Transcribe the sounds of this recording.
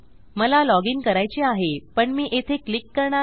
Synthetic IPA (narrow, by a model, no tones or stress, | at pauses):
məlalɔɡiŋɡkəɾajt͡ɕeaɦepəɳmiːʔet̪ʰeklikːəɾɳa